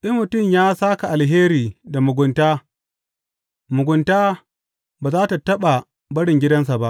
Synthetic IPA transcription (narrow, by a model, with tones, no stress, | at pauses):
ɗɪ˦mːʊ˨tʊ˦˨mjaː˦saː˦ka˨ʔa˨lɦeː˦ɾiː˨da˨mʊ˨ɡʷʊ˨ntaː˦ | mʊ˨ɡʊ˨ntaː˦ | baː˨zaː˦ta˨tɐ˦ɓa˨ | bɐ˦ɽɪ˨ŋɡʲɪ˦dɐ˦ns̬a˨ba˦ʔ